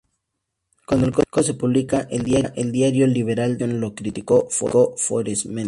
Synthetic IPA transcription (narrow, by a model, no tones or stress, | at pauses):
kwand̪oelkokose̞puβlikaʔeld̪jaʔeld̪jaɾjo̞liβ̞e̞ɾald̪onlo̞kɾit̪ikofo̰kofo̰ɾesmen